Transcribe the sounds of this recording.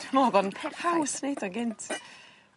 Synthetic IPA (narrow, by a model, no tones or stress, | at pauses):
noðɔnpʰhawsnejdɔnɡɪntʰ